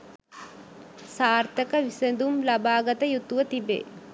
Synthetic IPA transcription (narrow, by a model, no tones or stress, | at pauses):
saːɾt̪ɐkɐʋisɐnd̪umlɐbaːɡɐt̪ɐjut̪ːuʋɐt̪ibḛ